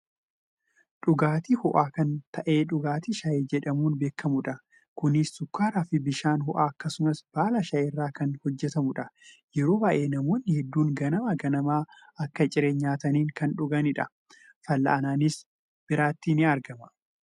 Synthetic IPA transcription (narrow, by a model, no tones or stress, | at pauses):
ᶑʊɡaːt̪iːhɔʔaːkɐnt̪ʰɐʔe̞ːᶑʊɡaːt̪iːʃɐjed͡ʒɛᶑɐmuːnbe̞ːkːɐmʊᶑɐ | kʊnɪssʊkːaːɾaːfɪbɪʃaːnhɔʔaːɐkːɐsʊmɐsb̥aːlɐʃɐjɪrːaːkɐnhɔd͡ʒːɛt̪ɐmʊᶑɐ | jɛɾo̞ːbɐːʔe̞ːnɐmoːnːɪhɛd̪ːuːŋɡɐnɐmɐɡɐnɐmaː | ɐkːɐt͡ʃʼɪɾeːɲːaːt̪ɐniːŋkɐnᶑʊɡɐnɪᶑɐ | fɐlːɐ̰ʔɐnaːnɪs | b̥ɪɾaːt̪ːiːnɪɐɾɡɐmɐ̥